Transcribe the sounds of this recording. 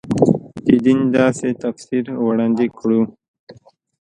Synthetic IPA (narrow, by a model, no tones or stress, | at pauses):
t̪id̪ind̪ɑːset̪afsiɾwɽaːnd̪ikʰɽu